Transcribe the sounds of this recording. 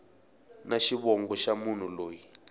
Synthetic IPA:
naʃiβɔŋɡɔʃamun̤uloːji

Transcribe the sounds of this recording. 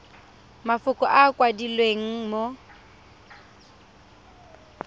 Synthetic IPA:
mafʊkʼɔʔakʼwadilweŋ̩mo

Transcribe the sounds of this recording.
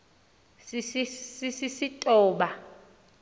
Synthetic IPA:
sisisisisitʼɔːɓa

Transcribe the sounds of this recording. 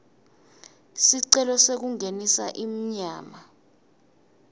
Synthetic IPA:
siǀɛlɔsek̬uŋenisa̰ʔim̩ɲaːma

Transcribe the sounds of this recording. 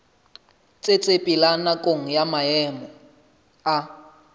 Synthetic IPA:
t͡sʼet͡sʼepʼilanakʼoŋ̩jamaɛmɔ | a

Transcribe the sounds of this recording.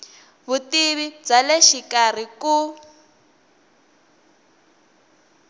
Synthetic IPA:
βutiβid͡zaleʃikar̤iku

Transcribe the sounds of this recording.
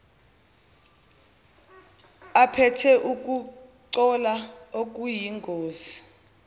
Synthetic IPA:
apʰɛtʰɛʔuk̬ʼuǀɔlaok̬ʼujiŋɡʱoːzi̥

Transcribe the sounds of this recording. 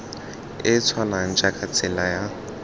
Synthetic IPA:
ɪt͡sʰwalaŋ̩t͡ʃʼakʰʼat͡sʰʼɪlaja

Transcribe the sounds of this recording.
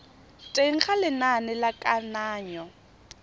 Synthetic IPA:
tʼeŋ̩χalɪnanɪlakʼanaːɲɔ

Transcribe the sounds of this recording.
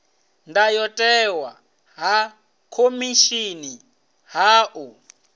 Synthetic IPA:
ndajɔtʼɛwa | ɦa | kʰomiʃini | ɦaːʔu

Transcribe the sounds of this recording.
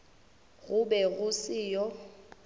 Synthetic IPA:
ɣʊbɛɣʊsɪːjɔ

